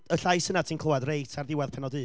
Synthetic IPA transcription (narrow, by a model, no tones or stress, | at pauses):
əɬajsənatʰiːnkʰlowadrejtʰarðɪwað̥pʰɛnɔdɨː